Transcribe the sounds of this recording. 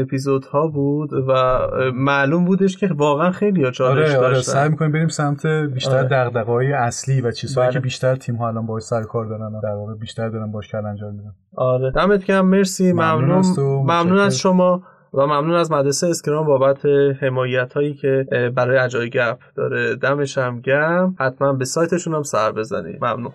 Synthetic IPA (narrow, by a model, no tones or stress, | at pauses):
epʰizod̪̥hɒːbuːd̪væmæʔluːmbuːd̪e̞ʃcʰe̞vɒːɣeænxe̞jlijɒt͡ʃʰɒːlɾeʃesæjmikʰonimbeɾiːmsæmt̪ʰebiːæɾd̪æɣd̪æɣeɦɒːjeæsliːvæt͡ʃʰiːzhɒːjkʰebiːʃt̪æɾt̪ʰiːmɦɒælɒːnbɒhɔʃsæɾokʰɒɾd̪ɒːɾænd̪æɾvɒːɣebiːʃt̪æɾd̪ɒːɾænbɒɔʃcʰælænd͡ʒɒːmbid̪æ | ɒːɾed̪̥æmet̪ʰɟæmːe̞ɾsiːmæmnunmæmnuːnæzʃomɒː | væmæmnuːnæzmæd̪ɾesejeskeɾɒːmbɒːbæt̪ʰehe̞mɒːjæt̪ʰhɒːjiːcʰe̞bæɾɒːjeæd͡ʒɒːjɟæfd̪̥ɒ̰ːɾed̪æme̞ʃæmɟæmhæt̪ʰmænbe̞sɒːjt̪ʰe̞ʃunæmsæɾbe̞zæ̰nḭmæmnṵn